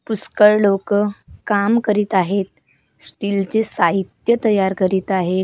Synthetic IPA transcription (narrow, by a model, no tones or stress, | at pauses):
puskəɭlokəkamkəɾit̪aɦet̪̚ | sʈiːlt͡sesaɦit̪jət̪əjaɾkəɾiːt̪aɦe